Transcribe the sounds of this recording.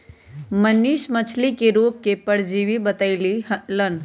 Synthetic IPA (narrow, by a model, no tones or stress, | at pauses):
məniʃmət͡ʃʰlikeɾuːp̚kepəɽd͡ʒiːʋibət̪aɪlilən